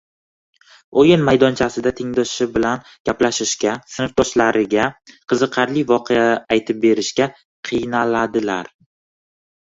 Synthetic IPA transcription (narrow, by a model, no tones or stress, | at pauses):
ojɪnmajd̪ɒnt͡ʃʰasɪd̪at̪ʰɪŋd̪ɒʃɪbɪlan | ɡ̥ʲaplaʃɪʃkʲasɪnɪft̪ʰɒʃlaɾɪɡʲaqʰɨzɨqʰɑɾlɪvɒqʰeaːjt̪ʰɪp̚be̞ɾɪʃkʲa | qʰɨjnalad̪ɪla̰ɾ